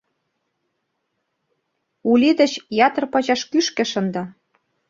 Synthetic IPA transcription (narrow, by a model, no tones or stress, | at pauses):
ulʲid̪ə̆t͡ɕjɑt̪ɤ̆rpɑʑɑʃkyʃkĕʃə̆nd̪ɑ